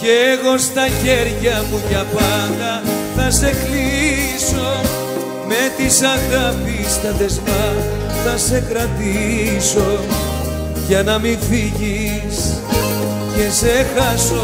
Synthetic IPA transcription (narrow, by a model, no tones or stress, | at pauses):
ceːɣo̞st̪ɐçe̞ɾʝɐpuʝɐpɐnd̪ɐθɐse̞kliso̞ | me̞t̪isɐɣɐpist̪ɐðe̞zmɐ | θɐse̞kɾɐt̪iso̞ | ʝɐnɐmiɱfiʝi | s | ce̞se̞xɐso